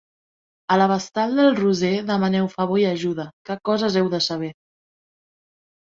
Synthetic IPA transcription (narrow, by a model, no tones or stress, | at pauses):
ələβ̞əst̪alˠd̪əlˠruzeðəmənɛwfəβojəʒuðəkəkɔzəzɛwðəsəβ̞ɛ